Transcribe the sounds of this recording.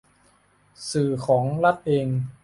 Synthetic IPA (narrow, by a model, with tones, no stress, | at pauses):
sɯː˨˩kʰɔː˩˦ŋla˦˥t̪̚ʔeː˧ŋ